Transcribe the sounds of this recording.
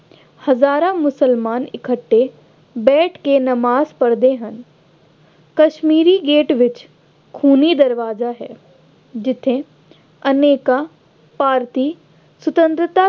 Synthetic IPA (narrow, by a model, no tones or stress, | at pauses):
hɐzaːɾãmʊsəlmaːnɪkʰəʈːe | bɛːʈʰkenɐmaːzpɐɾd̪eɦən | kɐʃmiːɾiɡeːʈʋɪt͡ʃ | kʰuːnid̪ɐɾʋaːzaɦɛː | d͡ʒɪt̪ʰːẽ | ɐneːka | paːɾt̪i | sʊt̪ə̃nt̪ɾɪt̪a